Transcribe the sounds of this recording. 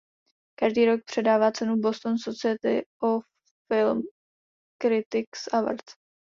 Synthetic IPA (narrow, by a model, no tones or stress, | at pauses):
kaʒdiːɾo̞k̚pr̝̥ɛdaːvaːt͡sɛnubo̞st̪onsot͡sɪɛt̪ɪʔof | fɪlm | kɾɪt̪ɪksʔavə̰ɾt̪